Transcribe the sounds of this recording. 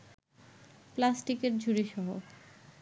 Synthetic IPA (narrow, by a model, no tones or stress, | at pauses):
plasʈikeɾd͡ʑʱuɾiʃɔɦo